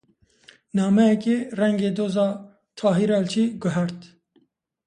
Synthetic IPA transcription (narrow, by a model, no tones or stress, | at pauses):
nɑːmɛjɛkeːrɛŋɡeːd̪oːzɑː | t̪ʰɑːɦiɾɑːlt͡ʃʰiːɡʊɦɛɾt̪